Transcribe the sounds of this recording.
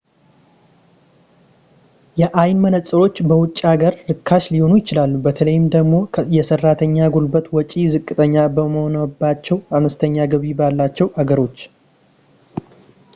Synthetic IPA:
jɛʔajnmənət͡sʼːɨɾo̞t͡ʃːbəwʊt͡ʃʼːaɡəɾːɨkʰːaʃliho̞nujɪt͡ʃɪlalːubət̪ʰələjɪmd̪əɡmo̞jɛsərːat̪ʰəɲːaɡulbət̪wɔt͡ʃʼizɨkʼːɨt̪ʼəɲːabəməho̞nəbːat͡ʃːɛwanəst̪ʰəɲːaɡəβibalːat͡ʃːɛwaɡəɾo̞t͡ʃː

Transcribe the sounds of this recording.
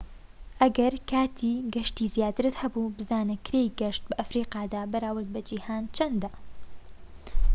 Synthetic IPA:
ʔɐɡɐɾkʰaːt̪ʰiːɡɐʃt̪iːzjaːt̪ɨɾɨt̪hɐbubɨzaːnɨkʰɾejɡɐʃt̪̚bɐʔɐfɾiːqɑːd̪aːbɐɾaːwɨɾd̪̚bɐd͡ʒiːhaːnt͡ʃʰɐnd̪ɐ

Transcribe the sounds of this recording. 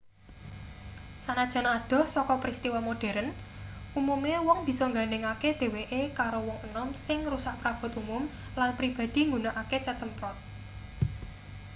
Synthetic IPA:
sanad̥ʒ̥a̤nad̪̥ɔ̤hsɔkɔpɾist̪iwɔmoɖ̥ɛ̤ɾən | umumewɔŋb̥i̤sɔŋɡanɪŋaked̪̥e̤weʔekaɾowɔŋənɔmsɪŋrusaʔpɾab̥ɔ̤t̪umʊm | lanpɾib̥ä̤d̪̥i̤ŋɡunaʔaket͡ʃət͡ʃəmpɾɔʔ

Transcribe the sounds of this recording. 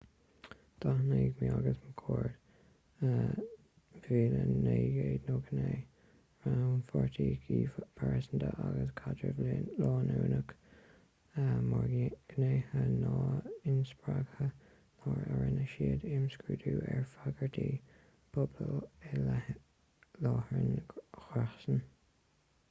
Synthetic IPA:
d̪̥ahneːɡmiaɡəsməkʰoːɹd̥̪ | ə | viːləneːɡeːd̪noːɡəneː | ɹawnfɔɹt̪ʰiːɡiːpʰaɹɛsənd̪əʔaɡəskʰadɹəvllɔːnuːnək | əmɑɹɡɡ̥əneːhənɑːɪnspɹaɡ̥hə | mɑɹəɹənəʃiːd̪ɪmskɹuːd̪uːɛɹfaɡəɹdʰiː | pʰʊbləɛl | lɑːhɹənxaxsən

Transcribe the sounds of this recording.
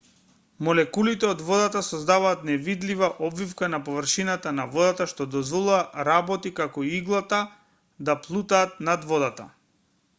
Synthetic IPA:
mɔlɛkulit̪ɛɔd̪vɔd̪at̪asɔzd̪avaːt̪nɛvid̪livaʔɔbvifkanapɔvrʃinat̪anavɔd̪at̪aʃt̪ɔd̪ɔzvɔlˠuaɾabɔt̪ikakɔiiɡlˠat̪a | d̪aplˠut̪aːt̪̚nad̪vɔd̪at̪a̰

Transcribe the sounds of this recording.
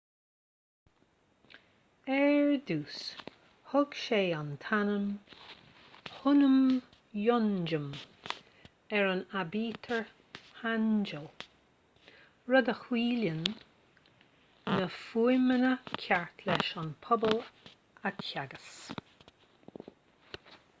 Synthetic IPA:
ɛɹduːs | hʊɡ̥ʃeːant̪ʰanəm | hʊnəm | jɔnd͡ʒəm | ɛɹənabiːt̪ʰəɹ | hand͡ʒəl | ɹɔd̪əxwiːlən | əfujmənəkʲʰaɹt̪ʰlɛʃanpʰɔbəl | atçaɡəs

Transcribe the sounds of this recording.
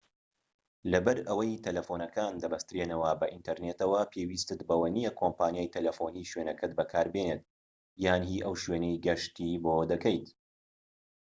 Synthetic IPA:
lɐbɐɾɐwɐjt̪ʰɐlɐfoːnɐkʰaːnd̪ɐbɐst̪ɨɾenɐwɐbɐʔint̪ʰɐɾneːt̪ɐwɐpʰewiːst̪ɨt̪bɐwɐnijɛkʰoːmpaːnjaːjt̪ʰɐlɐfoniːʃwenɐkʰɐt̪̚bɐkʰaːɾbeneːt̪̚ | jaːnɦiːʔɐwʃweːnejɡɐʃt̪iːbod̪ɐkɐjt̪

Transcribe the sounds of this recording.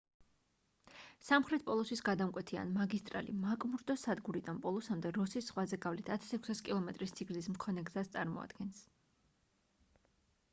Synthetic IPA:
samχɾɛt̪̚ʰpʼɔlˠɔsisɡad̪amkʼwɛt̪ʰia̰nmaɡist̪ʼɾa̰lḭmakʼmuɾd̪ɔsad̪ɡuɾid̪anpʼɔlˠɔsamd̪ɛɾɔsisːχwazɛɡavlit̪ʰat̪ʰḁsɛkʰʷu̥saskʼilˠɔmɛt̪ʼɾist̪sʰiɡzismkʰɔnɛɡzast̪sʼa̰ɾmɔ̰a̰d̪ɡɛns

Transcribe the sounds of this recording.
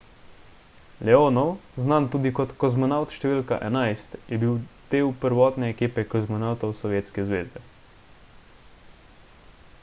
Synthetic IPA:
lɛoːnɔwznant̪uːd̪ikɔt̪kɔzmɔnawt̪ʃt̪ɛʋiːlka̰ʔɛnajst̪jɛbiwd̪̥eːwpəɾʋɔːt̪nɛːkiːpɛkɔzmɔnawt̪ɔwsɔʋjeːt̪skɛzʋeːzɛ

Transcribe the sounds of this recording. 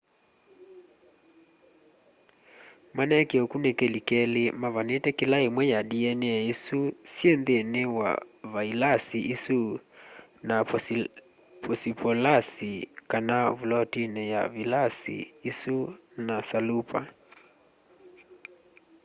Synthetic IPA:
manɛkeɔkunɛkɛlikɛlemavanetɛkɪlaemwɛjaɗiɛnɛɛisusiɛnðenewa̰vailasiʔisu | na | pɔsipʰɔlasikanavulɔtinɛja̰vilasḭːsunasalupa̰

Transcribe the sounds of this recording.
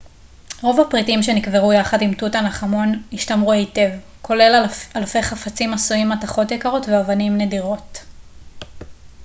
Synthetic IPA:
ʁo̞vhapʁitimʃe̞nikveʁujaχadimtutanaχamo̞niʃtamʁuejte̞v | kʰo̞le̞lalfe̞jχafat͡simasuimːataχo̞tjekaʁo̞tveavanimne̞diʁo̞t

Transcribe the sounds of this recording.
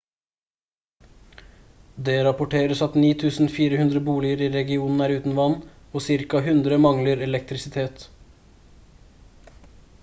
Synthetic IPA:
d̪eɾɑpʊʈeːɾəsɑt̪niːt̪ʰʉːsn̩fiːɾəhʉnd̪ɾəbuːlɪəɾiːɾɛɡɪuːnn̩æːɾʉːt̪n̩ʋɑnː | oːsɪɾkɑɦʉnd̪ɾəmɑŋləɾɛlɛk̚t̪ɾɪsɪt̪ʰeːt̪

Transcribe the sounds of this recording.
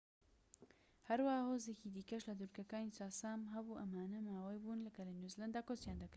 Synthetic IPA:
hɐɾwahahoːzecid̪iːkɐʃlɐd̪uɾkɐkaːnit͡saːsaːmɦɐbuʔɐmaːnɐmaːwɐjbuːnlɐkɐlanjuzland̪aːkosjaːnd̪ɐkɾ

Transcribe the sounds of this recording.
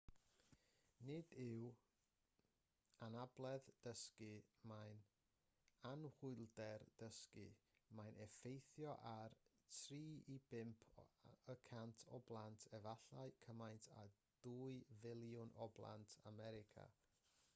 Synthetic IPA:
nɪdɪw | anablˠɛðd̥əskɨmajn | anhʊɨlˠdɛrd̥əskɨ̰majnʔɛfejθjɔʔar | tʰriːibɪmpʰəkʰantʰɔblˠantʰɛvaɬaɨkʰəmajntʰa̰ | d̥uːɨvɪlˠjʊnɔblˠa̰ntʰa̰mɛɾɪkʰa̰

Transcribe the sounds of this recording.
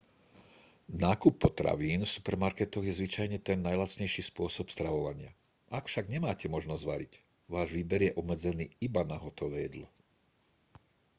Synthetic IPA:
naːkupːɔt̪ɾa̰ʋiːnfsu̥pɛɾmaɾkɛt̪ɔɣjɛzʋit͡ʃajɲɛt̪ɛnːajlat͡sɲɛjʃiːspʊɔsɔpst̪ɾaʋɔʋaɲɪa̰ | akfʃaɡɲɛmaːcɛmɔʒnɔzʋa̰ɾic | ʋaːʒʋiːbɛɾjɛʔɔbmɛd͡zɛnḭːibanaɦɔt̪ɔʋɛjɛd̪lɔ

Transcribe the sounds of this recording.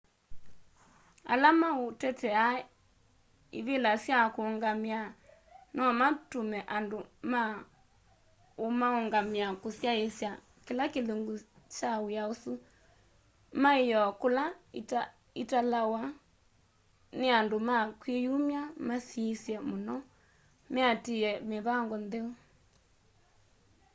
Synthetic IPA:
a̰lamaotɛtɛa | iβelasjakoːŋɡamja | nɔmatumɛʔandoma | omaoŋɡamjakosjaesja | kelakeleŋɡu | t͡ʃawwjaosu | maijɔkolaita | italawa | neandomakwijumjamasisjɛmonɔ | meatiɛmeβaŋɡɔndeo

